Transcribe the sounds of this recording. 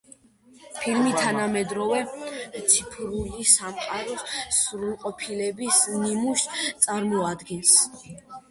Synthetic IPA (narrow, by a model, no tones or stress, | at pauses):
pʰilmit̪ʰanamɛd̪ɾɔvɛt̪sʰipʰɾulisamqʼaɾɔssuɾulˠqʼɔpʰilɛbisnimuʃt̪sʼaɾmɔad̪ɡɛns